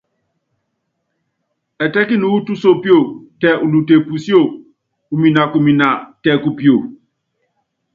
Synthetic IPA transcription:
ɛ˨tɛ˦ki˦nu˨˦u˦tu˦so˦pi˦o˦˨tɛ˨ʔu˨lu˨te˨pu˨si˦o˦˨ | u˨mi˨na˨ku˨mi˨na˨tɛ˨ku˨pi˦˨o˨

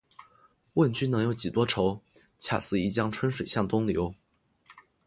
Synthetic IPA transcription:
wə˥˩nt͡ɕy˥nɤ˧˥ŋjo˧˥ʊt͡ɕi˨˩t̪wɔ˥ʈ͡ʂʰo˧˥ʊ | t͡ɕʰja̰˨˩sɹ̩˥˩i˧˩t͡ɕjɑ˥ŋʈ͡ʂʰwə˥nʂwe˨˩ɪɕjɑ˥˩ŋt̪ʊ˥ŋljo˧˥ʊ

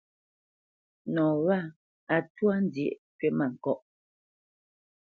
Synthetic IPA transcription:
nɔː˨wa˦˨ | a˨twa˦n˦djḛ˨ʔkɛ˦ma˨ŋ̩˨kɔ˦ʔ

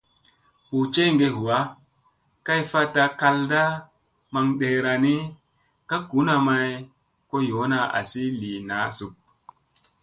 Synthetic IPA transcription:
pu˨t͡ʃe˦ŋɡe˦ɦu˨wa˦ | ka˦jfa˦ta˧ka˧lda˦ | ma˧ŋɗe˨ɾa˨ni˦ | ka˦ku˨˦na˨ma˨j | ko˦jo˨˦na˨a̰˨si˦li˨na˨˦su˨p̚

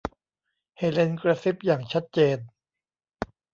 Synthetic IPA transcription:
heː˩le˧nkɾa˧si˦˥p̚jaː˨˩ŋt͡ɕʰa˦˥t̪̚t͡ɕeː˧n

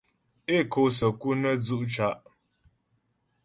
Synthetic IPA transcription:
e˦˨kʰo˨˦s̬ə˨ku˦nə˦d͡zu˦ʔt͡ʃa˨˦˨ʔ

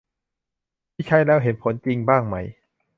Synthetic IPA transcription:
t̪ʰiː˥˩t͡ɕʰa˦˥˨jlɛː˦˥˩wɦe˨˦npʰo˩˦nt͡ɕi˧ŋbaː˥˩ŋma˦˥˩j

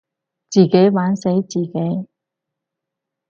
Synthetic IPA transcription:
t͡siː˨ke˨˥jwaː˨˥nse˨˧˥jt͡siː˨˩ke˨˥j

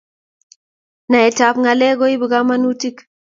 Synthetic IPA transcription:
na˨e˨ta˨pŋa˨lɛ˦ɡo˦i˦bi˨ɡa˦ma˦nu˦ti˦k

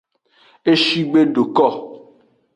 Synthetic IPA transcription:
e˦ʃi˦ɡ͡be˦ɖo˨kɔ˦˨

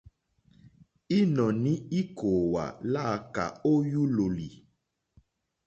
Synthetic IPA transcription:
i˦nɔ̃˨nĩ˦i˦ko˨wa̰˨la˦˨ka̰˨o˦ju˦lo˨li˨

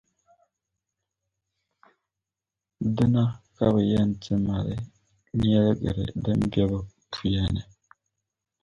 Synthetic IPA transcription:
də˦na˦ka˦βə˨ja˦˨nti˦ma˨ɾɛ˨ | ɲ˦ɛ˦lɛ˦ɡḛ˨ɾɛ̰˨də˦m˦bɛ˦bə˨ | tʰu˨ja˨ne˨

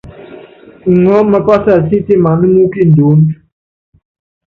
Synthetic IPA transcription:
ŋɔ˦mə˦kɔ˦sa˦˨si˦ti˦˨ma˨mə˦nu˦ki˦˨n˨du˨˦n

